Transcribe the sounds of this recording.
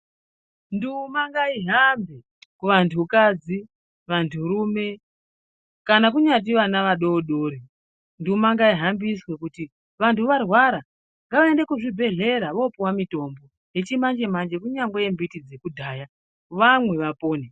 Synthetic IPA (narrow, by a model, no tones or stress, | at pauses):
ndimaŋɡaiɦambe | kuʋantʰukad͡zi | ʋantʰuɾume̞ | kanak̬uɲat̬iʋanaʋaɗoɗoːɾi | ndiumaŋɡaiɦambiswekuti | ʋantʰuʋarwaɾa | ŋɡaʋaende̞kuʐibʱe̞ɮe̞ɾaʋo̞piwamito̞ːmbo̞ | jet͡ʃimand͡ʒe̞mand͡ʒe̞kuɲaŋɡwejembitid͡zekudʱaːja | ʋamwe̞ʋapoːne